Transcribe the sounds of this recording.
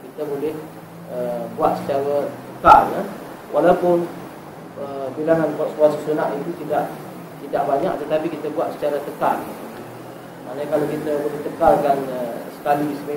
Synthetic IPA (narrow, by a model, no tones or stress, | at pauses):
kit̪əbolɛh | əbuat̪̚sə̥t͡ʃaɾat̪əkala | wʔalawpʊn | əbilaŋankaʔ̪̚suasasunaʔit̪ut̪idaʔ | t̪idaʔbaɲa̰ʔt̪ət̪apikit̪əbuat̪̚sə̥t͡ʃaɾat̪əkalḭuu | ma̰ʔnəɲakalawkit̪əbolɛht̪əkalkanəsə̥kalisəmə